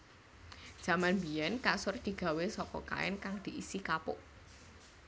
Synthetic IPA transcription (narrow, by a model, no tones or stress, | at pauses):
d̥ʒ̥ä̤manbiɛnkasʊrd̪̥i̤ɡ̥a̤wesɔkɔ̰ka̰ɛ̰nkaŋd̪̥i̤ʔisikapʊ̰ʔ